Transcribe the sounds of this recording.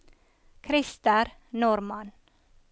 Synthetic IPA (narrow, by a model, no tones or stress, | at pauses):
kʰɾɪst̪əɾ | nʊɾmɑn